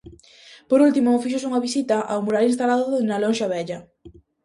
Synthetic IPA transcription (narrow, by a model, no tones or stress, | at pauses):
poɾult̪imofiʃ̬osuŋɐβisit̪ɐʔawmuɾalinst̪alaðʊnalonʃaβɛʎɐ